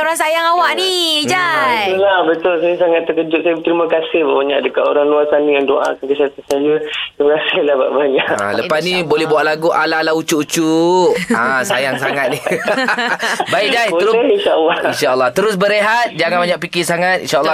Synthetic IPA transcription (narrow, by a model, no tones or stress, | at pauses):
oɾaŋsajaŋawaʔnid͡ʒajulahbət̪ʊlsajəsaŋat̪ːəkəd͡ʒʊt̪̚sajət̪ɾimakasɪhba̰baɲa̰ʔdəkat̪o̰ɾaŋluasanijaŋdoʔa̰kankəsiat̪asajət̪ɾimakasɪhlahba̰ʔbaɲaʔa̰ləpasnibolɛɦbuaʔlaɡuʔa̰lalaut͡ʃuʔut͡ʃuʔasajaŋŋsaŋat̪̚ni | baiʔd͡ʒaj̪əɾinʃaʔəlːɔhinʃaəlːɑht̪əɾʊsbəɾeɦat̪̚d͡ʒaŋãnbaɲaʔpikɪsaŋat̪ʔḭnʃaəlː